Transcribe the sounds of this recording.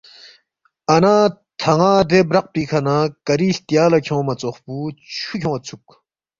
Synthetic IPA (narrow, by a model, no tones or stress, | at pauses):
ɐnaː | t̪ʰɐŋaːd̪ebɾɐq̚piːkʰɐnakɐɾiːst̪jaːlɐkʰõːmɐt͡soχpuːt͡ɕʰukʲʰõwɐt͡sʰuk̚